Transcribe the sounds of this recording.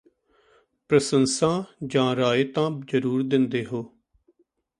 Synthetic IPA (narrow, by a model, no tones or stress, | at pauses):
pɾəsənsãːd͡ʒãːɾaːɪt̪ãːd͡ʒəɾuːɾd̪ɪnd̪eːɦoː